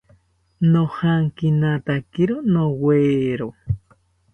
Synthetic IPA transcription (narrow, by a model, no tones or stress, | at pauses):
nohaŋkinat̪akiɾonoweːɾo